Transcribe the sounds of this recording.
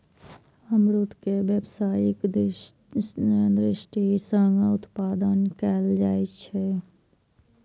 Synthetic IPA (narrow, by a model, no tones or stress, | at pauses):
əmɾʊt̪keʋjəbsaːjɪk | d̪ɾɪʃʈisəŋɡaʊt̪paːd̪ənkɛːld͡ʒaːet͡ʃʰe